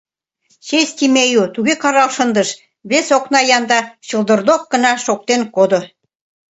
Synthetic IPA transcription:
ɕesʲt̪ʲimejut̪uɣekɑɾɑlʃɤnd̪əʃ | βesoknɑjɑnd̪ɑɕə̆lˠd̪ə̆rd̪ok̚ɡə̆nɑʃok̚t̪enkod̪o

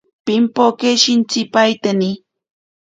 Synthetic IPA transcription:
pɪmpokeʃɪnt͡sɪpajt̪ani

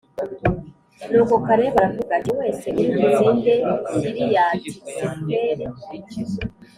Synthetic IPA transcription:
nuːkokaɾeβaɾavuɡaɲewe̞ːseʔiɾimuneːndeiɾijaːtisebeːɾe

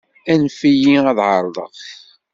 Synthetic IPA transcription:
ænfijiæðʕəɾˤðˤə̰ʁ

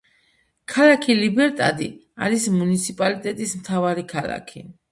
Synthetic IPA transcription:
kʰalakʰilibɛɾt̪ʼad̪ḭaɾismunit̪sʰipʼalit̪ʼɛt̪ʼismt̪ʰavaɾikʰalˠa̰kʰi

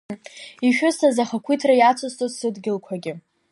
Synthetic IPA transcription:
iʃᶣʊsazaχakʷʰitʰrajat͡sʷʰostʼozsɨdɡʲɪlkʷʰaɡʲɪ

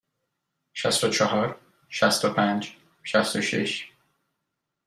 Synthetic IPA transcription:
ʃæst̪ot͡ʃʰɒɦɒɾ | ʃæst̪opʰænd͡ʒ | ʃæst̪oʃḭʃ

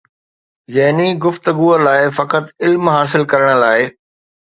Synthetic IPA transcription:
jɐɦɪniɡʊft̪əɡuːəlaːɪfɐkət̪ɪlmɦaːs̬ɪlkɐɾəɽ̃̆laːɪ

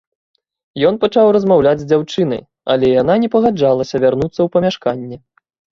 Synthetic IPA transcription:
jɔnpat͡ʂawrɐzmawlʲad͡zʲzʲd͡zʲawt͡ʂɨn̪ɐ̰j | ɐ̰lʲɛjan̪anʲɛpɐɣad͡ʐalˠɐsʲɐvʲarnut̪sːɐwpɐmʲaʂkanʲːɛ

